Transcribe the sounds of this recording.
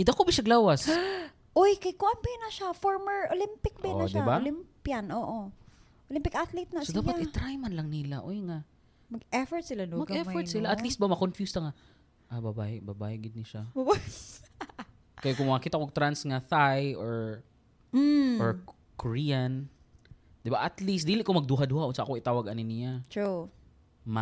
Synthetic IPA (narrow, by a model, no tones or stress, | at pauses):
ʔɪd̪ɐkobɪʃɐɡlaːwas | ʔojkɐjkoʔanpɛjnɐʃafoɹmɛɹʔolɪmpɪk̚bɛnɐʃdɪballimpjɐnʔoːʔo | ʔolɪmpɪkʔat̪lɪt̪̚nɐsod̪aːpaʔɪt̪ɾajmɐnlɐŋnɪlaʔojŋaʔ | mɐɡ̚ɛfɔɹt̪sɪlanomɐɡɐɛmfɔɹsɪlaʔɐt̪list̪̚bɐmɐkonfjust̪ɐŋaʔ | ʔabɐbaːhɪbɐbaːhɪɡɪd̪̚nɪʃamɐbas | kɐjokʊŋmɐŋɐkiːt̪aʔkot̪ɾansŋɐθajʔoɹ̩ | ʔoɹ | koɹian | d̪ɪbaʔɐt̪list̪d̪iːlɪʔkomɐɡ̚d̪uɦad̪uːhaʔʊnsaʔa̰koʔɪt̪aːwɐɡɐnɪnɪjat̪ɹu | ma